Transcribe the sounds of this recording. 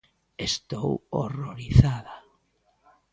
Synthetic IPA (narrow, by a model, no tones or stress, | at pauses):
est̪owo̰roɾiθaða